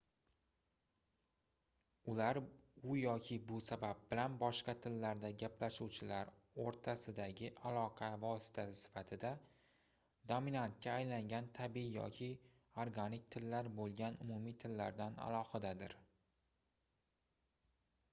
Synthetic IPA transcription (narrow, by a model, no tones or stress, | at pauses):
ʊlaɾʊjɒkʲʰɪbʊsabab̚bɪlanbɒʃqɑt̪ʰɪlːaɾd̪aɡʲaplaʃuwt͡ʃʰɪlaɾ | oɾt̪ʰasɪd̪aɡʲɪʔalˠɒqʰɑvɒsɪ̥t̪ʰasɪsɪ̥fat̪ʰɪd̪a | d̪ominant̪̚kʲaːjlaŋɡʲant̪ʰabiijɒ̰kʲʰɪ | oɾɡanɪk̚ʲt̪ʰɪlːaɾbolˠɡʲanʊmʊmit̪ʰɪlːaɾd̪ana̰lˠɒhɪd̪ad̪ɪɾ